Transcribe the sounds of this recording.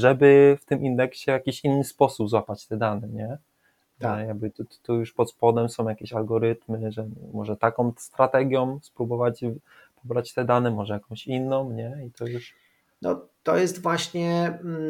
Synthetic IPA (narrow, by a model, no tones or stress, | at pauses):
ʐɛbɘft̪ɘmʔind̪ɛkɕɛjakʲiɕinːɘspɔsubzwapat͡ɕt̪ɛd̪anɛɲɛ | ɛjaɡ̚bɘt̪u̥t̪ujuʂpɔt̪spɔd̪ɛmsɔ̃w̃jakʲeɕalɡɔɾɘt̪mɘʐɛmɔʐɛt̪akɔ̃mst̪ɾat̪ɛɡʲjɔ̃mspɾubɔvat͡ɕ | pʰɔbɾat͡ɕt̪ɛd̪anɛmɔʐɛjakɔ̃mɕinːɔ̃mɲɛit̪ɔjuʂ | nɔ̰t̪ɔ̰jɛst̪vwaɕɲɛ